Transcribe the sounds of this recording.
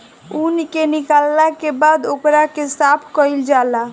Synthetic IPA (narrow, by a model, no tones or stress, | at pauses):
unikenikalːakebad̪okɾakesapʰkəild͡ʒala